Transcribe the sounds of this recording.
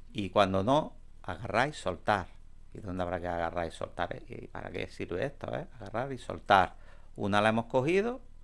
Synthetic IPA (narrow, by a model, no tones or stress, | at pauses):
ikwand̪ono | aɣarajso̞lt̪aɾ | iðond̪eaβɾakeaɣarajso̞̰lt̪aɾḛpa̰ɾa̰kḛsiɾβeeht̪o̰ḛaɣaraɾiso̞̰lt̪aɾ | unalaemo̞hko̞hiðo